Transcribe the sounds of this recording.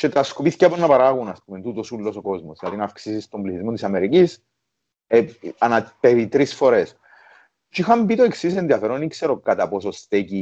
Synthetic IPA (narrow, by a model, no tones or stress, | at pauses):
t͡ʃet̪ɾɐskopiθi̥cɐponːɐpɐɾaɣunɐspument̪ut̪osulːosoko̞zmoslɐðinɐːfksisist̪ombliθizmot̪isɐme̞ɾicis | eɐnɐt̪evit̪ɾisfo̞ɾe̞s | t͡ʃixɐmbit̪oe̞ksisenðiɐfeɾonikse̞ɾokɐt̪ɐpo̞sost̪eci